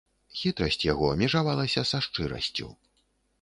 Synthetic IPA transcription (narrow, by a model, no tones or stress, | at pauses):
xʲit̪ɾɐsʲt͡sʲjaɣɔɐmʲɛʐavalˠɐsʲɐsaʂt͡ʂɨɾɐ̰sʲt͡sʲṵ